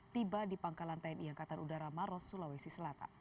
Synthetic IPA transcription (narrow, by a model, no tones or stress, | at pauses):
t̪ibadipaŋkalant̪ajniaŋkat̪anudaɾamaɾɔsulawesisəlat̪a̰n